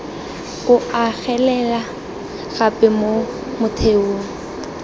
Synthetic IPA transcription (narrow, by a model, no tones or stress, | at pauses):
kʊaɣɛlɛla | ɣapʼɪmo | mʊtʰeoːŋ̩